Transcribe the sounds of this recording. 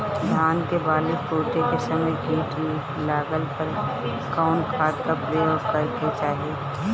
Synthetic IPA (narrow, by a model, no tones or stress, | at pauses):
d̪ʱjaːnkebaːlɪkpoːʈekesɐməjɡʱiːʈli | laːɡəlpəɾ | kaːnkʰaːd̪̚kapɾəjoːɡkɐɾket͡ʃaːɦieː